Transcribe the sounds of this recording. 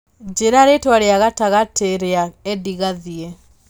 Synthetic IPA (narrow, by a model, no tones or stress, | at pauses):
d͡ʒeɾaɾetwaɾeaɣataɣateɾeaɛdiɣaðiɛ